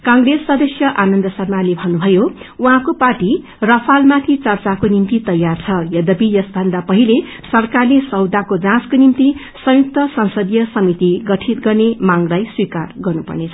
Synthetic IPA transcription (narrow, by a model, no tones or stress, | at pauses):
kãŋɡresːʌd̪ʌsjʌʔanʌnd̪ʌsʌrmalebʱʌnubʱʌjouɦãkoparʈi | rʌpʰalmat̪ʰit͡sʌrt͡sakonimt̪it̪ʌjːart͡sʰʌjʌd̪ʌbijʌsbʱʌnd̪apʌɦile | sʌrkarlesʌwd̪akod͡zãskonimt̪i | sʌ̃juk̚t̪ʌsʌ̃nsʌd̪jʌsʌmit̪iɡʌʈʰit̪ɡʌrnemaŋlajswikarɡʌrnupʌ̰rnet͡sʰʌ